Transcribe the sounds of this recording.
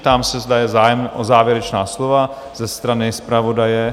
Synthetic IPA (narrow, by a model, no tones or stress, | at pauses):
t̪aːmsɛzdajɛzaːjɛmʔozaːvjɛɾɛt͡ʃnaːslova | z̥ɛst̪ɾanɪspɾavo̞dajɛ